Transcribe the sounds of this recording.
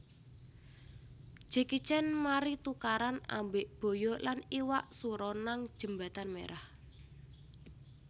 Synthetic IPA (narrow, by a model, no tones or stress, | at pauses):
ʒ̥e̤ki̥t͡ʃɛnmaɾit̪ukaɾana̰mbeʔb̥o̤jɔlaniwaʔsuɾɔnaŋ̥ʒ̥ə̤mba̤t̪anmḛɾʔah